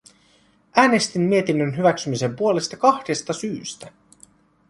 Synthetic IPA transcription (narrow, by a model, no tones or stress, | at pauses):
ʔæːne̞st̪imːie̞t̪inːønɦyʋæksymise̞mpuole̞st̪ɑkɑxde̞st̪ɑsyːst̪æ